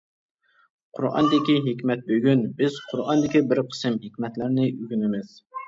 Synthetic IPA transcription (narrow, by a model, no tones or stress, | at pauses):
qʰʊɾʔɑ̰nd̪ɪkʲiɦekʲmɛt̪̚bøɡʲynbɪz̥qʰʊɾɑnd̪ɪkʲibɪɾqʰə̥sɨmɦekʲmɛt̪lɪɾnɪʔyɡʲynɪmɪz̥